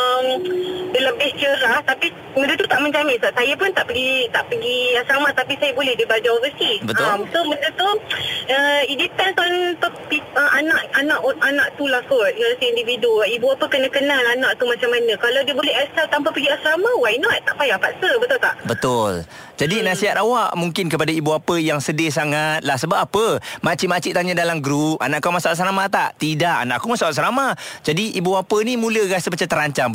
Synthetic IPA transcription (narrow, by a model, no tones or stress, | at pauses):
əmdələbɪht͡ʃəɾaht̪api | mə̃ndət̪ut̪aʔmə̃ɲd͡ʒamɪnsaʔsajapʊnt̪aʔpəɡit̪aʔpəɡiasamat̪apisajabolɛhdibad͡ʒaovəsibət̪amsoməndət̪uəidipɛnt̪ɔnt̪ɔpiəanaʔanaʔanaʔt̪ulahfɔt̪̚ɡaləsiindividuaibuapəkənãkənalanãʔt̪umat͡ʃamːanə̃kalawdiəbolɛɦɛsalt̪ampapəɡiasɾamawainɔt̪̚t̪aʔpajaapat̪̚səbət̪ʊlt̪aʔbət̪ʊl | d͡ʒadinasiɦat̪̚awaʔmuŋkɪnkəpadaibuapəjaŋsədɪsaŋat̪̚lahsəbap̚apəmat͡ʃiʔmat͡ʃiʔt̪aɲadalamɡɾup̚a̰naʔkamasaalaʔsɾamat̪aʔt̪idaʔa̰naʔkumasaasɾamad͡ʒadiʔibuapənimũləɾasəmat͡ʃamt̪əɾaɲt͡ʃam